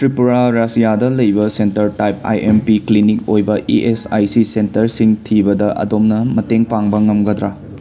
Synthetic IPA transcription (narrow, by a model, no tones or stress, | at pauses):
tɾipuɾaɾasijadɐlɐjbɐsentɐɾtajp̚a̰jʔempiklinik̚ojbɐʔiʔesa̰jsisentɐɾsiŋtʰibɐdɐʔɐ̰domnɐmɐteŋpaŋbɐŋɐmɡɐd̪ɾa